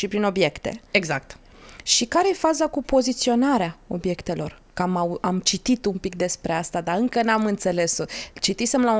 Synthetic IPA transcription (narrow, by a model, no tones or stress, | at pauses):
ʃipɾino̞bje̞kt̪e̞̰e̞ɡzak̚t̪ | ʃikaɾe̞jefazakupo̞zit̪sio̞naɾeao̞bje̞kt̪e̞lo̞̰r | kamaamt͡ʃit̪it̪umpik̚d̪e̞spɾe̞ast̪ad̪aɨŋkənamɨnt̪se̞le̞st͡ʃit̪isemla